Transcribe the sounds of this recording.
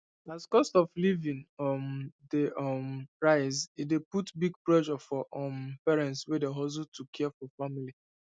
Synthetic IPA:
askɔstɔflivĩnɔmdeɔmɹaɪzideputbiɡ̚pɹɛʃɔfɔʔɔmpɛɹɛ̃ntswɛdeɦɔz̬utʰukʰːɛɛfɔfamili

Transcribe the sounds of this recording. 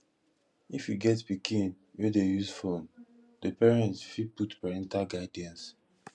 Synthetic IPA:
ifjuɡɛtpikʰĩn | wedejuzfõn | dəpɛɹɛ̃ntsfiputpaɹɛ̃ntaɡaɪdɛ̃ns

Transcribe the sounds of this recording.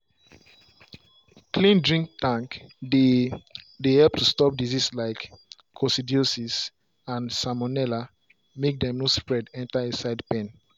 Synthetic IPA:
klĩndɹĩŋk̚tãŋk | dehɛlp̚tʰustɔp̚dizislaɪkʰː | ɔsidiosis | ãnsamɔnɛla | mek̚dɛ̃mnospɹɛdɛ̃ntaesaɪdpẽn

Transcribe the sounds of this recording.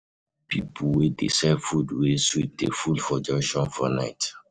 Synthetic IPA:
pipʰuwedḛsɛvfudweswidḛfulfɔd͡ʒɛʃɔ̃nfɔnaɪt

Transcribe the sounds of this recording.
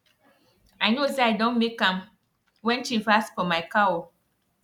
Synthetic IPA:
aɪnoseaɪdɔ̃nmekːãm | wɛ̃nʃifasfɔmaɪkawɔ

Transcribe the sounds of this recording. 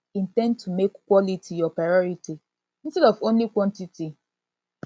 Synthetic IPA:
ĩntɛ̃nd̚tʰumekːwɔlitʰijɔpɹaɪɔɹiti | ĩnstɛdɔvõnlikwɔ̃ntiti

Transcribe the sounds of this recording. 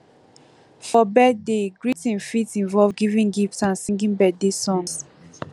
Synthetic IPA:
fɔbɛdeɡɹitĩnfitĩnvɔlvɡivĩŋɡiftsãnsĩŋɡĩnbɛdesɔ̃ns

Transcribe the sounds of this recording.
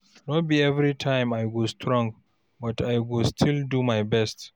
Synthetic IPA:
nɔt̚biɛvɾitʰãɪ̃majɡostʰɹɔ̃ŋɡ | batʰajɡulstʰildumajbɛst

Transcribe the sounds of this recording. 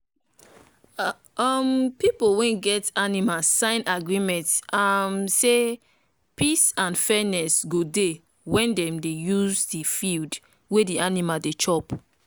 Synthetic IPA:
ɔmpipowɛ̃ɡɛtanimasãɪ̃naɡɹimɛ̃ntamse | pisãnfɛnɛsɡode | wɛ̃ndɛ̃mdejuzdifild | wedianimadet͡ʃɔp

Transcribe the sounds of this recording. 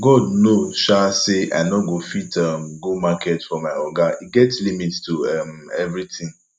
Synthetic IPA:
ɡɔdnoʃaseʔa̰nɔɡofitamɡomakʰɛtfɔmaɪɔɡaiɡɛtlimittumɛvɾitʰĩŋ

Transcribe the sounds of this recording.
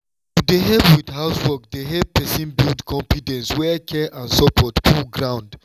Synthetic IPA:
tudeɦɛpwidhaʊswɔk̚deɦɛp̚pɛsĩnbildkʰɔ̃mfidɛ̃nswɛkʰɛʔãnsɔpʰɔtpʰulɡɹãʊ̃nd

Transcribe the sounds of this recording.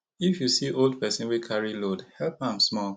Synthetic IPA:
ifjusiʔold̚pɛsɛ̃nwikʰaɹilodhɛlpãmsmɔl

